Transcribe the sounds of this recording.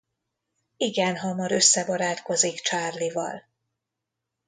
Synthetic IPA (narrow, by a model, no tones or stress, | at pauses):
iɡɛnɦɒmɒɾø̞sːɛbɒɾaːt̪ko̞zikt͡ʃaːrlivɒ̰l